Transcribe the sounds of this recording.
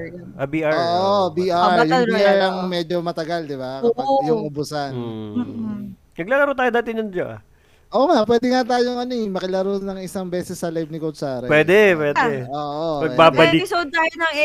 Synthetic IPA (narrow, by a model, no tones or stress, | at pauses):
j | ʔɐbiːʔaɹoːʔobiːʔaɹjʊbiːʔaɹɐŋmɛd͡ʒomɐt̪ɐɡɐld̪ɪbakːɐjʊŋʔʊbʊsanː | nɐɡ̚laːlɐɾot̪aːjod̪aːt̪ɪnjɐnd͡ʒaʔɐ̰ | ʔoːʔŋapwɛːd̪ɪŋat̪aːjoŋʔɐnoɪmɐkɐlɐɾonɐŋɪsaŋbɛːsɛsːɐlajvnɪkosaːɾɐpwɛːd̪ɛpwɛːdɛoːʔomɐɡɛbaːbɐlɪsod̪̚t̪aːjonɐŋ